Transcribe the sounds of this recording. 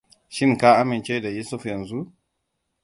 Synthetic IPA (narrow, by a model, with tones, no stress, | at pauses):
ʃɪ˦ŋkaː˦ʔa˦mɪ˨nt͡ʃe˦da˨juː˦sʊ˦fjɐ˨nzu˦